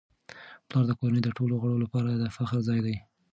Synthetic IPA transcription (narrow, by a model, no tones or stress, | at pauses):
plɑɾd̪əkoɾanəjd̪əʈoloɣəɽolapɑɾad̪əfaxɾzɑjd̪aj